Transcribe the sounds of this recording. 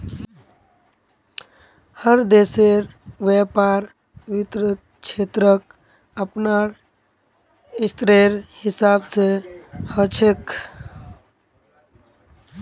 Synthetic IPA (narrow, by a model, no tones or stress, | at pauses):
həɾd̪eseɾʋepaɾ | ʋit̪ɾə | t͡ʃʰet̪ɾək̚ | əpnaɾ | ist̪ɾeɾhisabsehət͡ʃʰek